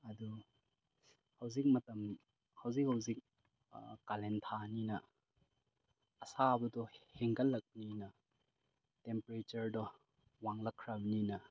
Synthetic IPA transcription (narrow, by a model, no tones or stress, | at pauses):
ɐdu | hɐwzik̚mɐtɐm | hɐwzik̚hɐwzik̚ | kalentʰaninɐ | sabɐdɔheŋkɐlːɐk̚ninɐ | tempɾet͡ʃɐɾdɔ | waŋlɐkʰːɾɐbɐninɐ